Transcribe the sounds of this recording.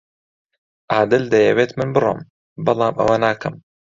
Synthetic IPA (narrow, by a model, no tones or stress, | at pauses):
ʔaːd̪ɨld̪ɐjɛwet̪mɨnbɨro̰ːm | bɑlˠɑːmʔɐ̰wɐnaːkʰɐm